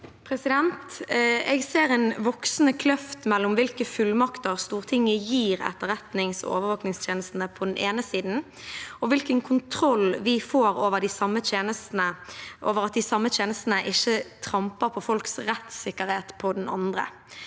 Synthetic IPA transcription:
pʰɾɛsɪd̪ɛnt̪ɛɡseːɾɛnʋɔksnəkʰlœft̪mɛlːʊmʋɪlkəfʉlmɑkt̪əʁst̪uːʁt̪ʰɪŋːəjiːʁɛ̰t̪ːəɾʁɛt̪nɪŋsɔ̰ʔo̰ːʋəɾʋoːknɪŋst̪ʰjeːnəst̪n̩əpʰɔd̪ɛneːnəsiːd̪n̩ | ɔʋɪlkənkʰʊnt̪ʰɾɔlʋɪfoːɾoːʋəɖɪsɑmːət̪eːnəst̪n̩əʔoːʋəɾɑt̪̚d̪ɪsɑmːət̪ʰjeːnəst̪n̩əʔɪçːət̪ʰɾɑmpəpʰɔfɔlksɾɛt̪sɪkːəɾheːt̪pʰɔd̪ɛnɑ̰nd̪ʁə̰

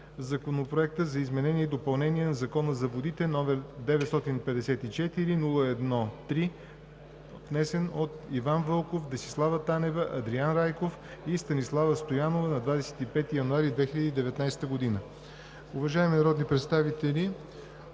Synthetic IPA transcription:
zɐkonopɾoɛk̚t̪əzɐizmɛnɛniɛid̪opɐlˠnɛnʲiɛnɐzɐkɔnəzɐvod̪it̪ɛnɔmɛɾd̪ɛvɛt̪st̪ɔt̪inpɛd̪ɛsɛt̪it͡ʃɛt̪iɾinulˠəɛd̪nɔt̪ɾi | vnɛsɛnot̪ivanvɤlˠkofd̪ɐsi̥slˠavət̪anɛvəʔɐd̪ɾianɾajkof | ist̪ɐnislˠavəst̪ojanovənɐd̪vad̪ɛsɛ̥t̪ipɛt̪ijɐnuaɾid̪vɛxilʲəd̪iːd̪ɛvɛt̪najst̪əɡod̪inə | uvɐʒaɛminɐɾɔd̪nipɾɛt̪st̪avit̪ɛlʲi

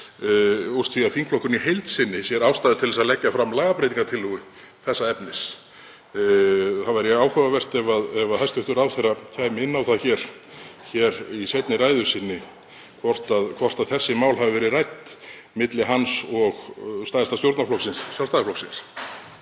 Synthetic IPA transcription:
ur̥t̪fiðaðθiŋkʰflɔhkʏnihejlt̪sɪnːɪsjɛɾaːwst̪aːðɪt̪ʰɪlɛsaðlɛcːafɾamːlaːɣapɾejt̪iŋkat̪ʰɪlːʏɣʏ | θɛsːaɛpnɪs | θavaɾjɛaːwhœvavɛr̥t̪ɛvaðɛvaðhajst̪ʏht̪ʏɾawθejrːacʰajmɪɪnːawθaðçɛɾ̥ | çɛɾisejt̪nɪɾajðʏsɪnːɪ | kʰvɔr̥t̪aðkʰvɔr̥t̪aðθɛsːɪmaːwlɦavɪvɛɾɪrajt̪ | mɪt̪lɪɦansɔɣst̪ajðast̪ast̪jowɾt̪naflɔwksɪnssjalst̪aɣaflɔwksɪns

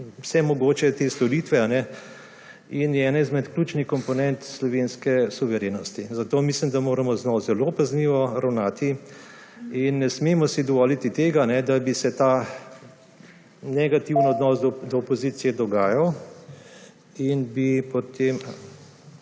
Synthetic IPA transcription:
wsɛmɔɡoːt͡ʃɛt̪eːst̪ɔɾiːt̪ʋɛanɛ | injɛːnɛizmɛt̪kluːt͡ʃnixkɔmpɔnɛnt̪slɔʋeːnskɛsuʋɛɾeːnɔst̪izat̪oːmislimd̪amoːɾamɔznɔzɛlopazniːʋɔɾawnaːt̪i | inːɛsmeːmɔsid̪ɔʋɔːlit̪it̪eːɡanɛd̪abisɛt̪aː | nɛɡat̪iwnɔd̪nɔsd̪ɔd̪ɔːpɔziːt̪sijɛd̪ɔɡaːjaw | inbipɔt̪em

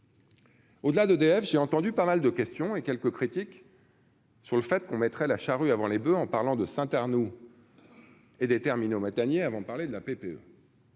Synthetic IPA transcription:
od̪əlad̪əd̪eɛfʒ̥eɑ̃t̪ɑ̃d̪ypamald̪əkʲɛst̪jɔ̃ekʲɛlkəkχit̪ik | syʁləfɛt̪kɔ̃mɛt̪χɛlaʃaʁyavɑ̃lebøɑ̃paʁlɑ̃d̪əsɛ̃t̪aʁnu | ed̪et̪ɛʁminomat̪anjeavɑ̃d̪əpaʁled̪əlapepeø̰

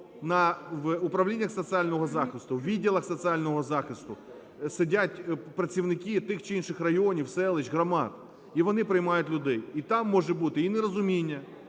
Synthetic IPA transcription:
nɐʋʊpɾɐwlʲinʲːɐxsɔt̪sɨɑlʲnɔɦɔzɑxɪst̪ʊwʋʲidʲːilˠɐxsɔt̪sɨɑlʲnɔɦɔzɑxɪst̪ʊ | sedʲatʲpɾɐt͡sʲiʋnɪkʲit̪ɪxt͡ʃɪinʃɪxrɐjoɔnʲiwsɛlˠɪt͡ʃɣɾɐmɑt̪̚ | iʋɔnɪpɾɪjmɑjʊtʲlʲʊd̪ɛjit̪ɑmːɔʒɛbut̪ɪinɛɾɔzʊmʲinʲːɐ

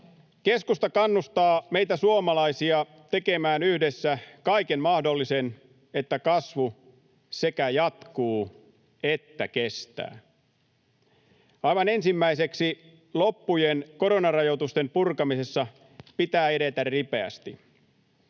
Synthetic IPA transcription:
keskust̪ɑkɑnːust̪ɑːmejt̪æsuomɑlɑisiɑ | t̪e̞kemæːnyhdesːækɑikenmɑhdo̞lːisen | et̪ːækɑsʋu | sekæjɑt̪kuː | et̪ːækest̪æ̰ː | ɑjʋɑne̞nsimːæise̞ksi | lopːujenko̞ɾonɑrɑjot̪ust̪e̞mpurkɑmise̞sːɑ | pit̪æːe̞ɾet̪ærripe̞æ̰st̪i

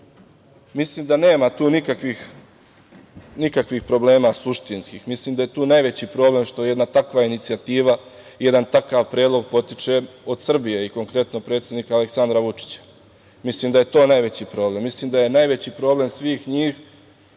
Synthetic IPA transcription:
misliːmd̪ane̞ːmat̪uːnikakʋix | nikakʋixpɾo̞ble̞ːmasuʃt̪inskiːxmisliːmd̪ajet̪uːnajʋet͡ɕipɾo̞ːble̞mʃt̪o̞je̞d̪nat̪akʋainit̪sijat̪iːʋa | je̞d̪ant̪akaʋpɾeːd̪lˠo̞ɡ̚po̞t̪it͡ʃeo̞d̪sr̩bije̞iko̞ŋkɾe̞t̪no̞pɾe̞ːt̪sʲjed̪nikaale̞ksand̪ɾaʋut͡ʂi̥t͡ɕḁ | misliːmd̪aje̞t̪o̞ːnajʋe̞t͡ɕipɾo̞ːble̞mːisliːmd̪aje̞najʋe̞t͡ɕipɾo̞ːble̞msʋiːxɲiːx

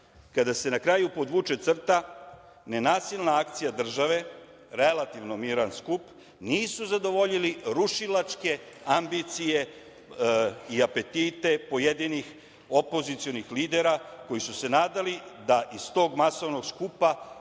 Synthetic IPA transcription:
kad̪ase̞nakɾajupo̞d̪ʋut͡ʃe̞t̪sr̩t̪a | ne̞naːsilˠnaakt̪sijad̪r̩ʒaʋe̞ | ɾe̞lat̪iʋno̞miɾanskup | niːsuzad̪o̞ʋo̞ʎiliɾuʃilat͡ʃke̞ | ambit̪sije̞ | iape̞t̪it̪e̞po̞jed̪inix | o̞po̞zit̪sijo̞nixliːd̪e̞ɾako̞jisuse̞naːd̪alid̪aʔist̪o̞ːɡmaso̞ʋno̞ɡskupa

